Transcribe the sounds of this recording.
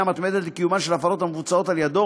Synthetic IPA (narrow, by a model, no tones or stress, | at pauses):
amat̪med̪et̪lekijumaʃelafalo̞t̪hamevut͡sao̞t̪aljad̪o